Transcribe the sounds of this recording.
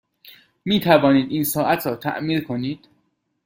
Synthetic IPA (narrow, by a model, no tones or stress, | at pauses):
miːt̪ʰævɒːniːd̪iːnsɒːʔæt̪ʰɾɒːt̪ʰæ̰ʔmiːɾkʰo̞niːd̪̥